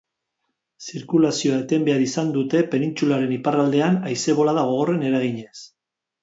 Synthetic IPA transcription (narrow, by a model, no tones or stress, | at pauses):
siɾkulasio̞aet̪e̞mbe̞aɾisand̪ut̪e̞pe̞nint͡sulaɾe̞niparald̪e̞anajse̞β̞o̞laðaɣ̞o̞ɣ̞o̞re̞ne̞ɾaɣiɲe̞s